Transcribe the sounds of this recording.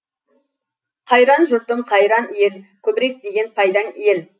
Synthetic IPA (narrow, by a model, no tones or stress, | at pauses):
qʰɑjɾɑnʒʊɾt̪əɴqʰɑjɾɑnje̞lkʲʰɵbɪɾe̞k̚d̪e̞ɡʲe̞npʰɑjd̪ɑnje̞l